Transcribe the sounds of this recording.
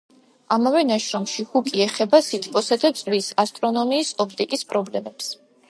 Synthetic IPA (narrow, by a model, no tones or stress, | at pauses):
amavɛnaʃɾɔmʃihukʼiɛχɛbasit̪ʰpʼɔsad̪at̪sʼlisast̪ʼɾɔnɔmiːsɔpʰt̪ʼikʼispʼɾɔblɛmɛps